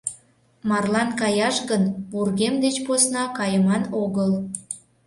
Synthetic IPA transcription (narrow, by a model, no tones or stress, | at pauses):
mɑrlɑnkɑjɑʃɣənβurɣemd̪et͡ɕposnɑkɑjəmɑnoɣəl